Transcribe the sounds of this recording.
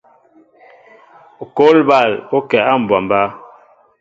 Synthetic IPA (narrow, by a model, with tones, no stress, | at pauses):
ko˦lba˦˨lo˦kɛ˨a˦˨m̩˨bwa˨mba˦